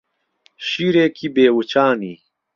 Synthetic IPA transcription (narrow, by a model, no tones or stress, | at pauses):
ɕiɾeːkʰibeːwut͡ɕaːniː